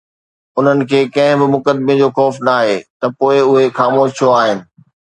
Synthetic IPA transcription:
ʊn̤ənɪ̆kʰeːkɐ̃ɦɪ̃bɪmʊkəd̪med͡ʑoːxɔːfnaːɦeːt̪ɐpoːɪʊɦexaːmoːʃʰjoaːɦɪnɪ̆

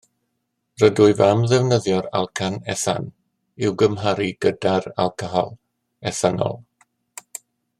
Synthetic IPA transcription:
rədʊɨvamðɛvnəðjɔɾa̰lˠkʰanɛ̰θa̰n | ɪwɡəmɦaɾiɡ̥ədara̰lˠkʰəɦɔ̰lˠ | ɛθanɔ̰lˠ

